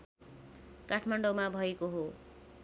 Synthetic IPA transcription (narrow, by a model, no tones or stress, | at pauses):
kaʈʰmaɳɖomabʱʌekoɦo